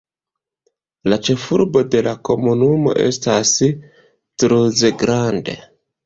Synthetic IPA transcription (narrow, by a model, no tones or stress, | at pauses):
lat͡ʃe̞fuɾbo̞de̞lako̞munumo̞̰ʔe̞̰stas | tɾuze̞ɡɾande̞̰